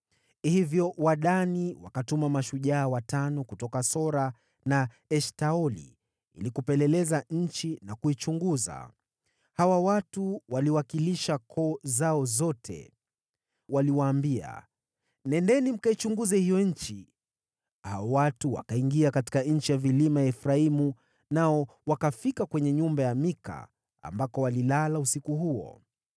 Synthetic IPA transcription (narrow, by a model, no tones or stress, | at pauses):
hivjɔwaɗaniwakatumamaʃuʄaːwatanɔkutɔkasɔɾa | na | ɛʃtaɔlḭ | ḭlikupɛlɛlɛzaɲ̩t͡ʃinakuit͡ʃuŋɡuza̰ | hawawatuwaliwakiliʃakʰɔzaɔzɔtʰɛ̰ | waliwaːmbia̰ | nɛndɛnim̩kait͡ʃuŋɡuzɛhijɔɲ̩t͡ʃi | haɔwatuwa̰kaiŋɡiakati̥kaɲ̩t͡ʃijavilimajaɛfɾaimu | naɔ | wakafikakwɛɲɛɲumbajamika̰ | a̰mbakɔwalilalausikuɦuɔ̰